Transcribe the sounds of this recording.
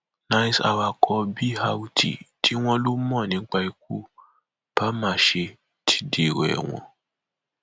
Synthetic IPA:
nã˧jsa̰˨wa˧˨kʰɔ˧˦bi˦ha˧wu˦tḭ˨tʰi˦w̃ɔ̃˧lo˦mɔ̃˦˨nĩ˨˦k͡pa˧i˧k̚u˦ | b̥a˦mã˦˨ʃe˧ | tʰi̥˦de˨ɾɛ̰˨w̃ɔ̰̃˧

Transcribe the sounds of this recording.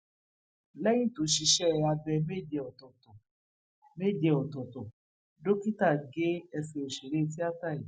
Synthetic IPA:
lɛ˦jĩ˦˨to˨˦ʃi˧ʃɛ˦˧a˧bɛ˧me˦˨d͡ʒɛ˧ɔ˨tɔ˨tɔ˨ | me˦˨d͡ʒɛ˧ɔ˨tɔ˨tɔ˨ | do˦ki˦ta˦˨ɡe˦ɛ˧sɛ˧o˨ʃe˨ɾe˦t̬i˦a˦ta˦˨i˨

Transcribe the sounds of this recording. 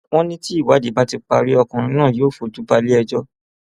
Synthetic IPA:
w̃ɔ̃˦nĩ˦ti˦i˦˨wa˨˦di˨˦ba˦ti˧k͡pa˧ɾi˦ɔ˧kã˨ɾ̃ĩ˧˦nãː˦˨joː˦˨fo˨˧du˨˦ba˧li˦ɛ˧d͡ʒɔ˦

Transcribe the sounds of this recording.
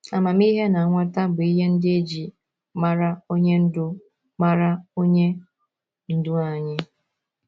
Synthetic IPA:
a˨ma˨m˦i˦ɦe˦na˨a˨ŋʷa˦ta˦ɡ͡bi˦ɦe˦n̩˦dɪ˦e˦d͡ʒi˨ | ma˦ɾa˦o˦ɲe˦n̩˦dʊ˦ | ma˦ɾa˦o˦ɲe˦ | n̩˨dʊ˦a˨ɲɪ˦

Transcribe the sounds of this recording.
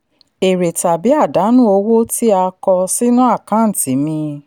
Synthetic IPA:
e˨ɾe˨ta˨bi˨˦a˦˨da˨˦nũ˦o˧wo˦ti˦a˧kɔ˧si˦nũ˦a˦˨kã˨˦n̩˨tĩ˨˦mĩ˧

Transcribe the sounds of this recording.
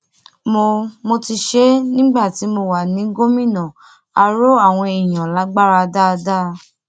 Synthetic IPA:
mo˧mo˧ti˧ʃe˦nĩ˦ɡ͡ba˦˨ti˨˦mo˧wa˨nĩ˨˦ɡo˦mĩ˦˨nã˨ | a˧ɾo˦a˦˨w̃ɔ̃˧i˨j̃ã˨la˨˦ɡ͡ba˦ɾa˧da˦˧da˦˧

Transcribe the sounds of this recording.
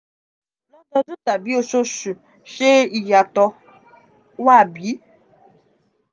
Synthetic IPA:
lɔ˦dɔ˧˦d͡ʒu˦ta˨bi˦o˨ʃo˦ʃu˨ | ʃe˦i˨ja˨tɔ˧ | wa˦˨bi˨˦

